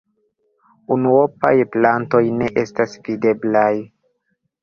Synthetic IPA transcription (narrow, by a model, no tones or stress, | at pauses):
unuopa̰jplanto̞jne̞ʔe̞stasvide̞blaj